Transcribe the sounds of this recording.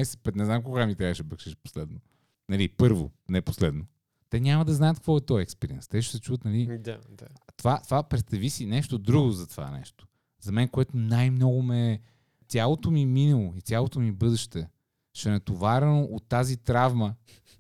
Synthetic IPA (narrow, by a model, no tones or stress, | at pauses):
ajsɛ̥t̪̚pɛt̪nɛznamkoɡamit̪ɾʲavəʃbəkʃɛʃpo̥slɛd̪no | nɐlipɤɾvo̰nɛpo̥slɛd̪no | t̪ɛɲʲamɐd̪ɐznajət̪kvɔɛt̪ɔjɛkspɛɾiɛnst̪ɛʃ̬ɛ̥sɛt͡ʃuvət̪nɐliat̪ovat̪vapɾɛt̪st̪ɐvisinɛʃt̪od̪ɾuɡozɐt̪ova̰nɛ̰ʃt̪o̥ | zɐmɛnkoɛt̪onajmnɔɡʊmɛ | t̪ʲalˠot̪omiminɐlˠoit̪ʲjalˠot̪omibɤd̪ɛʃt̪ɛ | ʃɛnɛt̪ovaɾɛnoʔot̪ːazit̪ɾavmə